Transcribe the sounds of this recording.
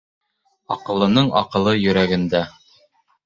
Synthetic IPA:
ɑ̰qɤ̆lˠɤ̆nɤɴɑ̰qɤ̆lˠɤjɵ̆ɾæɡɘ̆nd̪æ

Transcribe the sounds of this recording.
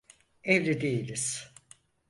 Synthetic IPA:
evlʲid̪ejilʲiz̥

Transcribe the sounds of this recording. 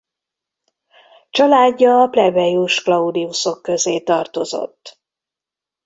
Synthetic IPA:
t͡ʃɒlaːɟːɒːplɛbɛjuʃklɒud̪iuso̞kːø̞zeːt̪ɒrt̪o̞zo̞̰t̪ː

